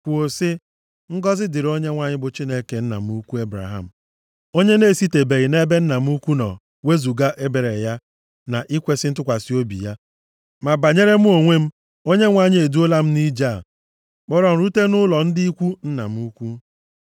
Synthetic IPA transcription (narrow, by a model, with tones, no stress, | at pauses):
kʷu˨o˨sɪ˦ | ŋ̩˦ɡɔ˦zɪ˦dɪ˨ɾo˦ɲe˦ŋʷa˦ɲɪ˦bʊ˨t͡ʃi˦ne˦ke˨n̩˦na̰˨m̩˦u˦kʷu˦e˦bɾa̰˨ɦa̰˦˨m̩˨ | o˦ɲe˦ne˦˨si˦te˨be˨ɣɪ˨ne˦be˦n̩˦na˨m̩˦u˦kʷu˦nɔ̰˨ | we˦zu˨ɡa˦ʔe˦be˨ɾe˨ja˦ | na˨ʔi˦kʷe˦sɪ˦n̩˦t̬ʊ˦kʷa˨si˦o˦bḭ˨ja˦ | ma˨ba˨ɲe˦ɾe˦m̩˦o˨ŋʷe˦m̩˦ | o˦ɲe˦ŋʷa˦˨ɲɪ˦e˨du˦o˦la˦m̩˦ni˦d͡ʒa˦˨ | k͡pɔ˦ɾɔ˨m̩˨ɾu˦te˦nʊ˦lɔ˨n̩˦dɪ˦i˦kʷu˦n̩˦na̰˨m̩˦u˦kʷu˦